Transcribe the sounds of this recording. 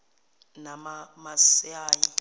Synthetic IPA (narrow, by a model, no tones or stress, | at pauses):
namamasaːji